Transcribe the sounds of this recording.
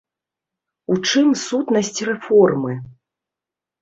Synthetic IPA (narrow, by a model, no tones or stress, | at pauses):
ut͡ʂɨmsut̪nɐsʲt͡sʲrɛfɔrmɨ